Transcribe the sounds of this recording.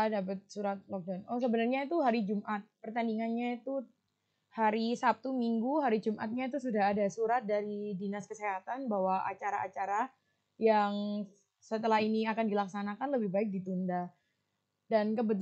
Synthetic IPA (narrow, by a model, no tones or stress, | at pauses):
dap̬ət̪̚suɾat̪̚lɔk̚danɔs̬əbənarɲait̪uɦaɾid͡ʒumʔat̪̚pərt̪andiŋanɲait̪u | haɾisap̚t̪umiŋɡuɦaɾid͡ʒumʔa̰t̪̚ɲat̪̬usudaɦːdasuɾat̪̚daɾidinaskəseɦat̪anbawaʔa̰t͡ʃaɾaat͡ʃaɾa | jaŋ | sət̪əlaɦiniakandilaksanakanləbɪhbaɪk̚dit̪unda | dankəbət̪